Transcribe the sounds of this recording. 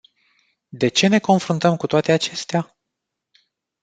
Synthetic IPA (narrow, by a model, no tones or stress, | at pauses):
d̪e̞t͡ʃe̞ne̞ko̞nfɾunt̪əmkut̪oat̪e̞at͡ʃe̞st̪ea